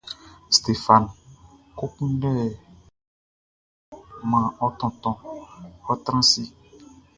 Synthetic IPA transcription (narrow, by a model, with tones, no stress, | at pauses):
st̪e˨fa˨nko˦kũ˦ɖɛ˦˨ | mã˨ɔ˦t̪ɔ̃˨t̪ɔ̃˨ɔ˦t̪ɾã˦si˦